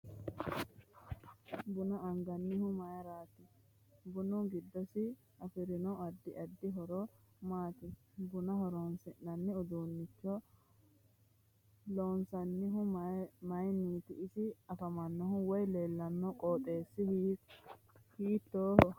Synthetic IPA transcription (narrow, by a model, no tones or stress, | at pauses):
bʊnɐɐŋɡɐnːɪhʊmɐjɐɾaːt̪ɪ | bʊnʊɡɪd̪ːɔsɪ | ɐfɪɾɪnɔɐd̪ːɪʔɐd̪ːɪɦɔɾɔ | maːt̪ɪ | bʊnɐɦɔɾɔnsɪʔːɐnːɪʊd̪uːnːɪt͡ʃːɔ | loːnsɐnːɪɦʊmmɐjniːt̪ɪʔɪsɪɐfɐmɐnːɔɦʊwɔjle̞ːlːɐnːɔkʼoːt̪ʼe̞ːsːɪ | hiːt̪ːoːhɔ